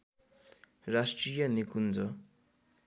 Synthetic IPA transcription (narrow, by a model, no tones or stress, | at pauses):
rasʈrijʌnikund͡zʌ